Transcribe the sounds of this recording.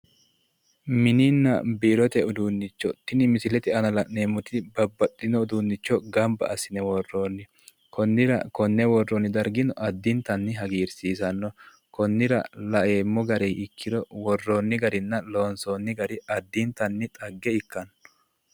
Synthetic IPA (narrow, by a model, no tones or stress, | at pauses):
mɪnɪnːɐ̰bɪːɾɔt̪ɛʊd̪uːnːɪt͡ʃːɔt̪ɪnɪmɪsɪlɛt̪ɪɐnɐlɐneːmʊt̪ɪbɐbːɐt̪ʼːɪnɔʊd̪unːɪt͡ʃːɔɡɐmbɐ̰ɐsːɪnɛwɔrːoːnːɪ | kʰɔnːɪɾɐ̰kɔnːɛwɔrːɔnːɪd̪ɐɾɡɪnɔʔɐd̪ːɪnt̪ɐnːɪɦɐɡiːɾsiːsɐnːɔ | kɔnːɪɾɐ̰lɐʔeːmːɔɡɐɾɛjɪkʰːɪd̪ɔwɔrːoːnːɪɡɐɾɪnːɐlo̞ːnsoːnːɪɡɐɾɪɐd̪ːɪnt̪ːɐnːɪt̪ʼɐɡːɛɪkːɐnː